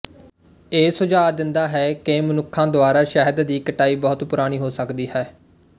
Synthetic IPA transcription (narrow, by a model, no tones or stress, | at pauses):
eːsʊd͡ʒaːd̪ɪnd̪aːɦɛːkemənʊkʰːãːd̪oaːɾaːʃɛɦəd̪d̪iːkəʈaːiːbɔːʊt̪pʊɾaːɽ̃iːɦoːsəkd̪iːɦɛː